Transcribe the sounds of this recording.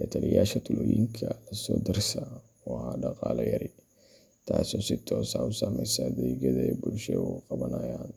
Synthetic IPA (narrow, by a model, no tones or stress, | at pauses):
kɐt̪ʰɐlɪjaːʃɐt̪ʰʊlɔːjɪ̰ŋkʰɐlɐsɔːd̪ɪrsɐ | wɑhaɖɑqɑːlɐjɐɾɪ | t̪ʰaːsɔːsɪt̪ʰɔːsaʊsamɛjsɐd̪ɛːɣɐðɐɛjbʊlʃɛuqɑβɐnɐjaːn